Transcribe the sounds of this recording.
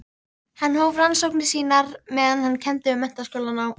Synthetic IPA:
hanːhoːwvransowknɪsiːnaɾmɛːðanhanːcʰɛnt̪ɪʏmːɛn̥t̪askoːwlanaw

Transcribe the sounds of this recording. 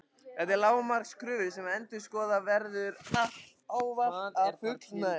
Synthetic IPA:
ɛt̪ɪlaːwmaɾ̥kskʰɾʏːvɪsɛmɛnt̪ɪ̥skɔːðavɛɾðʏɾa | aːwvafʏkl

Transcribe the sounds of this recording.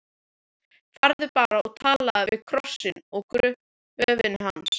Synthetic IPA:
faɾðʏpaːɾaɔɣt̪ʰaːlaðavɪðkʰɾɔ̥sːɪnɔɣkɾʏ | œːvɪnɦans

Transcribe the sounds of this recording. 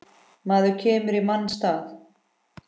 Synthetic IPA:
maːðʏcʰɛːmʏɾimanːst̪aːθ

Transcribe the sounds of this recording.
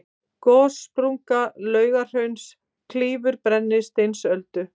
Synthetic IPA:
kɔːspɾuŋkalœːɥɣar̥œɥns | kʰliːvʏɾpɾɛnːɪst̪ensœlt̪ʏ

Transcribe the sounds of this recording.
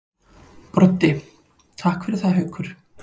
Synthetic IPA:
pɾɔt̪ːɪ | t̪ʰaːhkfɪɾɪθaðɦœɥkʰʏɾ̥

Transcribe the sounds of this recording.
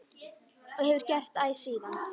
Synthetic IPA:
ɔɣhɛvʏɾ̥cɛr̥t̪aːjsiːðan

